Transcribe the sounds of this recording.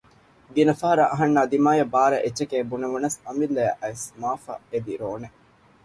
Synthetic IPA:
d̪inɐfɐɦɐɾɐʔɐɦɐnːaːd̪imaːjɐbaːɾɐ̰ʔet͡ʃːekeːbuneʋunɐsɐmilːɐjɐʔɐesmaːfɐ̰ed̪iɾoːne

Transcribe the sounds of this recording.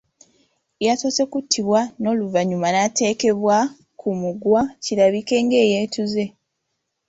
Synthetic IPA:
jaso̞ːse̞kutʰːiβwano̞ːluvaɲumanate̞ːke̞βwa | kʰumuɡwaciɾaβike̞ːŋɡe̞ːjeːtuze̞

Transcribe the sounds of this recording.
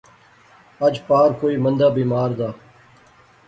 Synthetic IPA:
əd͡ʒpaːɾkoːiːmənd̪aːbiːmaːɾd̪aː

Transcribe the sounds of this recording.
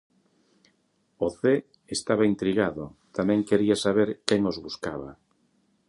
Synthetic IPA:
oθe | est̪aβaint̪ɾiɣaðot̪amɛ̃ŋkeɾiasaβeɾkɛŋozβuskaβa̰

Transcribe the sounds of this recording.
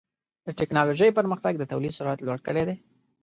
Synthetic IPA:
d̪̥əʈɪknɑloʒəjpəɾməxt̪aɡ̚d̪ət̪awlid̪sʊɾat̪lwaɽkəɽed̪e

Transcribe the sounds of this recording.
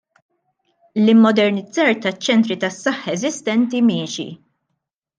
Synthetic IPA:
lɪmːɔd̪ɛɾnɪd͡zɐːɾt̪ɐt͡ʃːɛnt̪ɾit̪ɐsːɐħːɛzɪst̪ɛnt̪imɪːʃḭ

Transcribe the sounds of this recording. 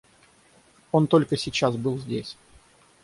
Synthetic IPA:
o̞nt̪o̞lʲkəsʲɪt͡ɕasbɨlˠzʲdʲesʲ

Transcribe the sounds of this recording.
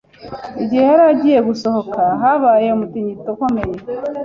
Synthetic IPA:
iɟihehaɾaɟije̞ɡuso̞hokaɦaβaːjeomutiɲitokomeɲe

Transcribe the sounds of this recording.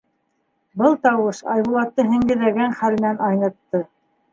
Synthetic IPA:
bɤlˠt̪ɑwɤʃɑ̰jβulˠɑt̪ːɤɦɘ̆ŋɡɘ̆ðæɡænχælmɘnænɑjnɤ̆t̪ːɤ

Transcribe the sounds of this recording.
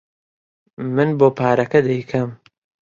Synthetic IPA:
mɨnboːpʰaːɾɐkɐd̪ɐjkʰɐm

